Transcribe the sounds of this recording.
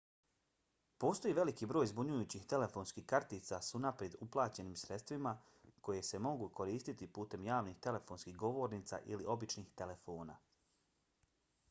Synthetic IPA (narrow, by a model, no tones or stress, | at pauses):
po̞ːst̪o̞jiːʋe̞likibɾo̞ːjzbuɲujuːt͡ɕixt̪e̞le̞fo̞ːnskihkaɾt̪iːt̪sasunapɾjed̪uplˠaːt͡ɕe̞niːmsɾe̞t̪st̪ʋima | ko̞je̞se̞mo̞ɡuko̞ɾiːst̪it̪ipuːt̪e̞mjaːʋnixt̪e̞le̞fo̞nskiɦɡo̞ʋo̞ɾniːt̪sa̰ʔiliʔo̞bit͡ʃniːxt̪e̞le̞fo̞ːna̰